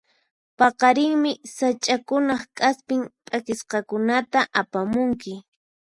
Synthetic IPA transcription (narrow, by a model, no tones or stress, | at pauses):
pɑqɑɾɪŋmɪsat͡ʃʼakʊnɑχkʼaspɪŋpʼakɪsqɑkʊnat̪aʔapamʊŋkɪ